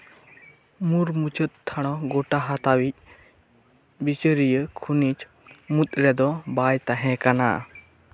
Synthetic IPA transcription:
muɾmut͡ʃət̪̚t̪ʰːaɽ̃ɔɡɔʈaɦat̪awic̚ | bit͡ʃəɾijəkʰunit͡ʃ | mut̪ʼɾɛd̪ɔbajt̪aɦɛ̃kana̰

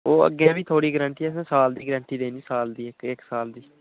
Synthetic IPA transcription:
oːə̰ɡːẽːbiːt̪ʰoːɽiːɡɾə̃ɳʈiːɛːs̬ãːsaːld̪iːɡəɾə̃ːɳʈiːd̪eːniːsaːld̪iːɪkɪksaːld̪iː

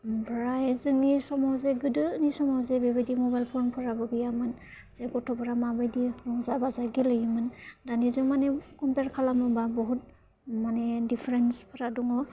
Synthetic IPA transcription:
bɹaɛzɯnisɔmɔzɛɡɯdɯnisɔmɔzɛbɛbedimɔbajlpʰɔɹnpʰɔɹabɔɡijamɯn | zɛɡɔtʰɔpɔɹamabadiɹɔŋzabazaɡilɯjimɯndanizɔmanɛkɔmpɛɹkʰalamɔbabɔɦut̚ | manɛdipʰɹɛnspʰɔɹaduŋɔ

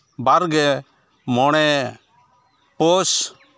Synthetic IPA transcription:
baɾɡɛ | mɔɽ̃ɛ | poːs

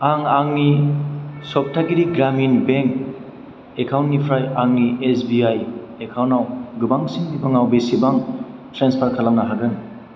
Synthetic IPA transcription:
aŋaŋni | sɔp̚tʰaɡiɾiɡɾaminbeŋk | ekʰawntnipʰɾajaŋniesbiaj | ekʰawnawɡɯbaŋsiŋdibaŋawbesibaŋtɾenspʰaɾkʰalamnaɦaɡɯn

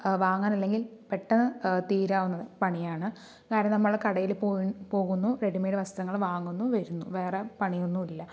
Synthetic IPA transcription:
ʋaːŋːaːnɐlːe̞ŋɡilpeʈːɐnːɨt̪iːɾaːʋunːɐðɨpɐɳijaːɳɨ | kaːɾɐnɐmnɐmːɐɭkɐɽɐjilpopo̞ːɣunːuɾeɽimeːɖɨʋɐst̪ɐŋːɐɭʋaːŋːunːuʋɐɾunːuʋe̞ːrepɐɳijonːuilːɐ

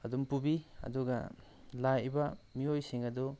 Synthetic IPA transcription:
ɐdumpubiɐ̰duɡɐ̰ | lajbamiojsiŋɐdɔ

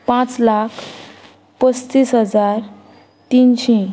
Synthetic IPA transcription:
pãt͡slakʰ | pəstiːsɦəd͡zaɾ | t̪inɕĩ

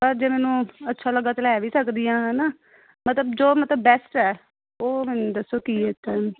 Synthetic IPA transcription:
pəɾd͡ʒeːmɛːnũːətːʃʰaːləɡːaːt̪əlɛːʋiːsəkd̪ijãːɦɛːnaː | mət̪ləbd͡ʒoːmət̪ləbːɛːsʈɛː | oːmɛːnũd̪əsoːkiːɛt̪ɛː

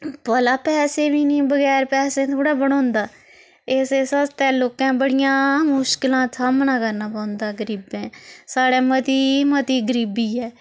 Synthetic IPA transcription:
pəlaːpɛːseːbiːnĩːbəɡɛːɾpɛːsẽːt̪ʰoːɽaːbəɽ̃õːnd̪aː | eːseːsəst̪ɛːloːkãːbəɽɪjãːmʊʃkɪlãːsʰaːmnãːkəɾnaːpãːnd̪aːɡəɾiːbẽːsaːɽeːmət̪iːmət̪iːɡəɾiːbiːɛː

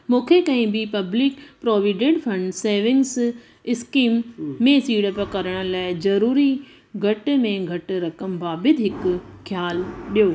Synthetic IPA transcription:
mũːkʰekɐ̃ɦɪ̃bɪpɐblɪkpɾoːʋiɖẽɖfʰɐ̃ɳɖseːʋɪ̃ŋɡs | ɪskiːmːẽsiːɽəpɐkɐɾəɽ̃ə̆laːɪzɐɾuːɾi | ɡʱɐʈmẽɡʱɐʈ̆ɾɐkəmbaːbɪd̪ʱɦɪkkʰjaːlɗijoː

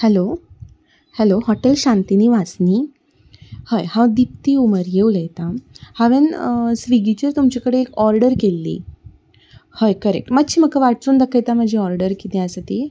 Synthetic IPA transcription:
hɛlo | hɛlohɔʈelɕãnt̪iniːʋasni | həjhãd̪ip̚t̪iuməɾjeuləjt̪ahaʋensʋiɡit͡ɕəɾt̪umt͡ɕakəɽeːkɔɾɖəɾkelːḭ | həjkəɾḛk̚ʈmat̪t͡ɕʰiːm̤əkaʋaʈt͡suːnd̪əkʰajt̪aməd͡ʑʱĩɔɾɖəɾkit̪ẽasət̪i

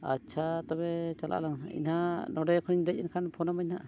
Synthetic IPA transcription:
a̰t͡ʃʰat̪ɔbɛt͡ʃalʔa̰ʔlaŋḭnɦanɔɖɔjkʰɔniŋd̪ac̚inkʰanpʰɔnɔmajnaʔ

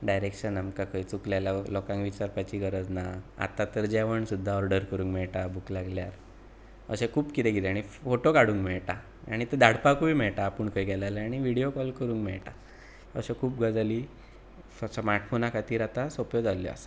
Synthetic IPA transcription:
ɖajɾekɕənəmkakʰəjt͡sukljalalɔkãŋkʋit͡ɕaɾpajt͡ɕiɡəɾəd͡znaa̰t̪at̪əɾd͡ʑɛʋəɳsud̪ʱːaʋəɾɖəɾkəɾũːŋkmɛɭʈabuklaɡljaɾ | ə̰ɕẽkʰuːpkit̪ẽɡit̪eaɽ̃ifoʈokaɽũːŋkmɛɭʈa | a̰ɽ̃it̪əd̪ʱaɽpakuʋiːmɛɭʈaːpuɳkəjɡɛlalaaɽ̃iʋiɽijokɔlkəɾũːŋkmɛɭʈa | ə̰ɕekʰuːp̚ɡəd͡zaliː | smaɾʈfonakat̪iːɾat̪asɔpjod͡zaljɔ̰a̰sa

